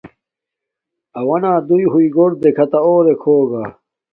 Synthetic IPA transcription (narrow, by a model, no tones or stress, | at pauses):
ɐwɐnaːd̪ujɦuiɡoɽd̪ekʰɐt̪aoːɾekʰoːɡa